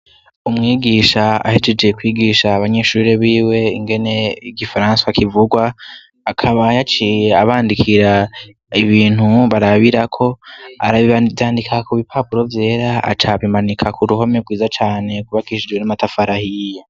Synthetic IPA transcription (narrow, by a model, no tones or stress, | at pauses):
umŋiːɡiːʃaa̰hed͡ʒed͡ʒe̞kwiːɡiʃaːβaɲe̞ʃuːɾeβiːwe̞iŋɡe̞ne̞iɡifaɾãnsaakivuɡwa | akʰaβajat͡ʃijaβaːndikʰiɾa | iβiːn̥huβaɾaβiɾakʰo̞a̰ɾaβivjaːndikʰakuβipʰapuɾo̞vje̞ːɾaa̰t͡ʃaβimanikʰakʰuɾuɦo̞meɡwiːzat͡ʃaːne̞kuβakiʃid͡ʒwe̞namatafaɾahija